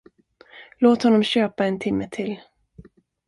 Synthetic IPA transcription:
loːt̪hɔnːɔmɕøːpaɛnt̪ʰɪmːət̪ʰɪl

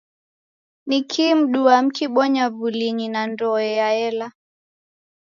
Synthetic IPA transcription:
nikʰim̩ɗuam̩kiɓɔɲavuliɲinandɔɛjaɛla

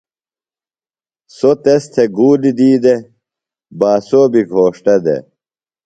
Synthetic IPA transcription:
sot̪est̪ʰeɡuːlid̪iːd̪e | baːsoːbiɡʱoːʂʈɐd̪ḛ

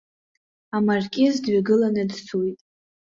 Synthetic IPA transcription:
amarkʲʼɪzdɥaɡɨlanɨdt͡sʰujtʼ

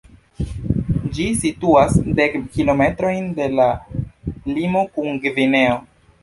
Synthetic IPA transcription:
d͡ʒisituasde̞kːilo̞me̞tɾo̞jnde̞la | limo̞kuŋɡvine̞o̞

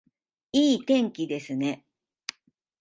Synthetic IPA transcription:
iːt̪ẽ̞ŋkʲid̪e̞sɨne̞

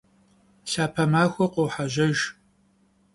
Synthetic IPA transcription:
ɬaːpʰɐmaːxʷɔqʷowħaʒɐʒ

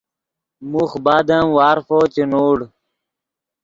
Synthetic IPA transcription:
muxbaːd̪amwaːɾfoːt͡ɕinoːɽ

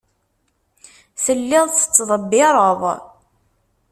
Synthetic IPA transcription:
θəlːɪðˤθə̥t͡sːðˤəbːɪɾˤəðˤ

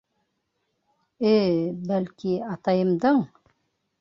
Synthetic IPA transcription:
ebælkiɑt̪ɑjɤ̆md̪ɤɴ

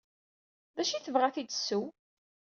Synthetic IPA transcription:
ðæʃiθəvʁæθid̪sːu

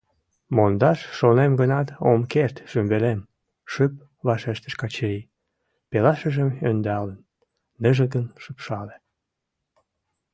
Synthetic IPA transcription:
mond̪ɑʃːonemɡənɑt̪o̰mkert̪ʒ̥ymbelem | ʃyp̚ | βɑʃeʃt̪ə̥ʃkɑt͡ɕəɾi | pelɑʃəʒəmønd̪ɑlənː | əʒəɡənʃəpʃɑle

